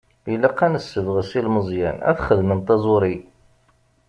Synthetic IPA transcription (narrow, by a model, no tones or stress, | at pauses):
ilæqːænəsːəvʁəsilməzˤjæ̰næ̰θχəðmənt̪ˤɑzˤʊɾi